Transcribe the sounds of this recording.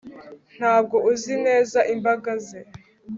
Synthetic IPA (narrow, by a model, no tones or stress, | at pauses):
n̥haːb̚ɡo̞ʔuzine̞ːzaʔimbaɡaze